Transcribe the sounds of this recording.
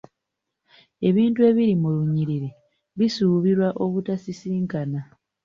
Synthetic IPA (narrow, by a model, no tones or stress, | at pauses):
e̞βiːntue̞ːβiɾimuluɲiɾiɾe | βisuːβiɾwaʔo̞βutasisiːŋkana